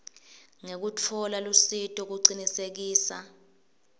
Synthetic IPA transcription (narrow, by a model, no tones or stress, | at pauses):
ŋek̬ut͡fʰɔlalusitʼɔk̬uǀinisek̬iːsa̰